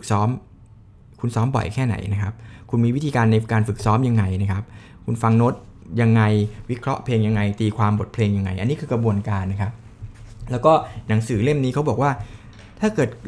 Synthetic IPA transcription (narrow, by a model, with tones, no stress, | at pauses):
k̚sɔː˦˥m | kʰu˧nsɔː˦˥mbɔ̰˨˩jkʰɛː˥˩na̰˩˦jna˦˥kʰa˦˥p̚kʰu˧nmiː˧wt̪ʰiː˧kaː˧nːa˧jkaː˧nfɯ˨˩k̚sɔː˦˥mja˧ŋːa˧jna˦˥kʰa˦˥p̚ | kʰu˧nfa˧ŋno˦˥t̪̚ | ja˧ŋːa˧jwi˦˥kʰɾɔ˦˥ʔpʰleː˧ŋja˧ŋːa˧jt̪iː˧kʰwaː˧mbo˨˩t̪̚pʰleː˧ŋja˧ŋːa˧jʔa˧nːiː˦˥kʰɯː˧kɾa˧bu˧ənkaː˧nːa˦˥kʰa˦˥p̚lɛː˦˥wkɔː˥˩na˩˦ŋsɯː˩˦le˥˩mniː˦˥kʰa˦˥wbɔ˨˩kwaː˥˩ | t̪ʰaː˥˩kɤː˨˩t̪̚